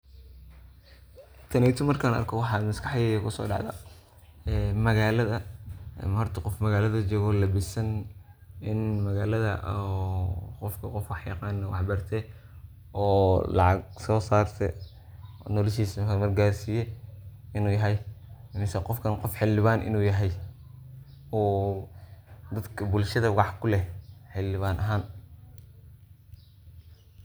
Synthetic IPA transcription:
t̪ʰɐnɛt̪ʰʊmɐrkʰaːnɐ̰rkʰɐwɑħɑːd̪mɐskɑħjɛjkʰʊsɔ̰ːɖɑ̰ʕðɐ̰ | ɛmɐɣaːlɐðɐmhɔrt̪ʰɐqɔfmɐɣaːlɐðɐt͡ʃɔːɣɔlɐbɪsɐn | ɪnmɐɣaːlɐðɐ̰ʔ | qɔfkʰɐqɔfwɑħjɑ̰qɑːnːɐwɑħbɐrt̪ʰɛ | ɔːlɑ̰ʕɑɡsɔːsaːrt̪ʰɛ̰ | nɔlɛʃiːskɐmɐrɡaːrsijɛɪnuːjɐɦɛjmɪsɛqɔfkʰɐnqɔfħɪlɪβaːnʔɪ̰nuːjɐɦɛj | ɔː | d̪ɐd̪kʰɐbʊlʃɐðɐʊwɑħkʰʊlɛħɪlːɪβaːnʔɐɦaːn

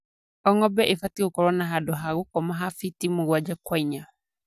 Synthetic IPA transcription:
ɔŋɔbɛʔefatiɔkɔɾɔnaɦadɔɦaɣʊkɔmaɦafitimoɣwad͡ʒakwaiɲa

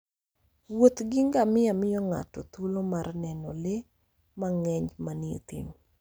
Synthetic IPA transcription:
wot̪ɡɪŋɡamɪamɪjɔŋa̰tɔ̰t̪ulomarnɛnɔle | maŋɛɲd͡ʒmanɪḛt̪ḭm

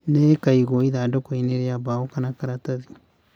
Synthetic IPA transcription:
nekaiɣoiðadokoineɾeaβaokanakaɾataði

